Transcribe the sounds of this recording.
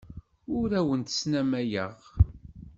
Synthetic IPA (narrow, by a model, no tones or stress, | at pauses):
ʊɾæwənt̪snæmæjəʁ